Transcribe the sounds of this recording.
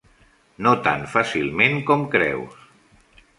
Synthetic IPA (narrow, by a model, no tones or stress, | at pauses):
not̪a̰nfasilˠmeŋkɔmkɾɛ̰ws